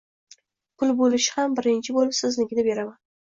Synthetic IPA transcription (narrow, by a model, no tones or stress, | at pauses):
pʰʊlˠbolɪʃɪ̥hambɪɾɪnt͡ʃʰɪbolɪpsɪznɪɡʲɪd̪abe̞ɾaman